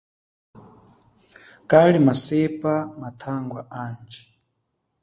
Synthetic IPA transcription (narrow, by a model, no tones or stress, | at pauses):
kʼalimasɛpʼamatʰaŋɡwaʔaːnd͡ʒi̥